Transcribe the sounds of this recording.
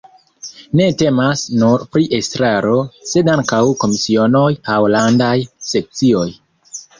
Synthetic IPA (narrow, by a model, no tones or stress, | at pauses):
ne̞te̞masnuɾpɾiʔestɾaɾo̞se̞daŋkawko̞misio̞no̞jawlandajse̞k̚t͡sio̞j